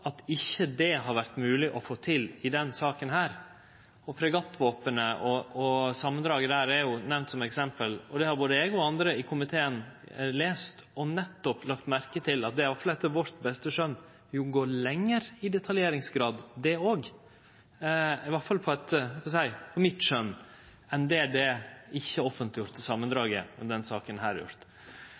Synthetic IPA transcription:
ɑt̪ɪçːəd̪ɛɦɑɾʋæɾt̪mʉːlɪʔɔfoːt̪ʰɪlɪd̪ɛnsɑːkənhæːɾ | ɔfʰɾɛɡɑt̪ːʋoːpənəʔɔɔsɑmːənd̪ɾɑːɡəd̪æːɾɛɾjʊnɛʋnt̪sɔmɛksɛmpəlɔd̪ɛhɑɾboːd̪əɛːɡɔɑnd̪ɾəɪkʰʊmɪt̪ʰeːənleːst̪ | ɔnɛt̪ːɔplɑkt̪mæɾkət̪ʰɪlɑ̰t̪̚d̪ɛʋɑfɑlɛt̪ːəʋɔɾt̪bɛst̪əʂœnː | jʊɡoːɭɛŋːəɾɪd̪ɛt̪ʰɑljeːɾɪŋsɡɾɑːd̪d̪ɛoːɡ | ɪʋɑɾfɑlpʰɔɛt̪hɑsæɪpʰɔmɪt̪ʂœnː | ɛnd̪ɛæɖɛɪçːəɔfənt̪lɪjʊɾt̪ːəsɑmːənd̪ɾɑːɡəmɛd̪ɛnsɑːkənɦæ̰ːɾjʊ̰ɾt̪

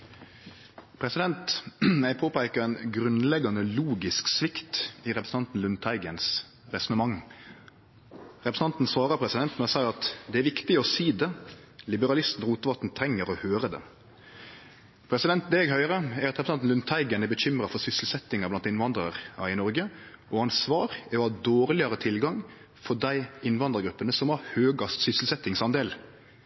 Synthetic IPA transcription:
pʰɾɛsɪd̪ɛnt̪næɪpʰoːpæɪkəɾɛnɡɾʉnlɛɡɑnəluːɡɪsksʋɪkt̪ɪɾɛpɾsn̩ʰɑnt̪n̩lʉnt̪ʰæɪɡəns | ʁɛsɔnəmɑŋ | ɾɛpɾəs̩n̩ɑnt̪n̩sʋɑːɾəpʰɾɛsɪd̪ɛnt̪mɛsɑɪɾɑt̪d̪ɛæɾʋɪkt̪ɪɔsiːd̪ɛlɪbəɾɑlɪst̪n̩ɔʁuːt̪əʋɑt̪n̩t̪ʰɾɛŋːəɾɔhøːɾəd̪ɛ̰ | pʰɾɛsɪd̪ɛnt̪̚d̪ɛɛɡɦœʏɾəæɾɑt̪ɾɛpɾsɑnn̩ʉnt̪ʰæɪɡənæbəçʏmɾɑfɔsʏsəlsɛt̪ːɪŋɑblɑnt̪ɪnʋɑnd̪ɾəɾɪnɔɾɡəʔɔɑnsʋɑːɾæɾɔhɑːd̪oːɾlɪəɾət̪ʰɪlɡɑŋ | fɔɖæɪɪnʋɑnd̪əɾɡɾʉpːənəsɔmɑɾhøːɡɑst̪sʏsəlsɛt̪ːɪŋsɑnd̪eːl

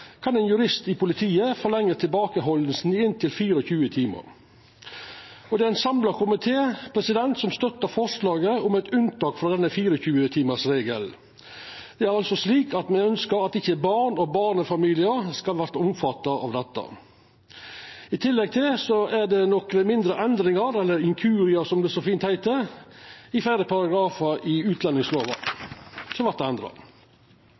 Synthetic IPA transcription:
kʰɑnɛːnjʉɾɪst̪ɪpʊlɪt̪ʰiːəfɔlɛŋːət̪ʰɪlbɑːkəɦɔln̩sn̩ɪnt̪ʰɪlfiːɾɔçʉːət̪ʰiːmə̰ɾ | ɔd̪ɛæɪnsɑmlɑkʰʊmɪt̪ʰeːpʰɾɛsɪd̪ɛnt̪sɔmst̪œt̪ːəfɔʂlɑːɡəʊmɛɪt̪ʉnt̪ɑːkfɾɑd̪ɛnːəfiːɾɔçʉːət̪ʰiːməsɾeːɡəl | d̪̥ɛæɾɑlsɔsliːkɑt̪mɛnœnskəɾɑt̪ɪçːəbɑɳɔbɑːɳəfɑmiːlɪəɾskɑlʋæɾt̪əʊmfɑt̪ːɑʔɑ̰ʋd̪ɛt̪ːə̰ | ɪt̪ʰɪlːɛɡ̚t̪ʰɪlsɔæɖɛnɔkmɪnd̪ɾəʔɛnd̪ɾɪŋɑɾɛlːəɾɪŋkʰʉːɾɪəsɔmd̪ɛsɔfiːnt̪hæɪt̪əɾ | ɪfæɪɾəpʰɑɾɑɡɾɑːfəɾʔɪʉːt̪lɛnːɪŋsloːʋɑ | sʰɔʋæɾt̪ɛɛnd̪ɾɑ̰

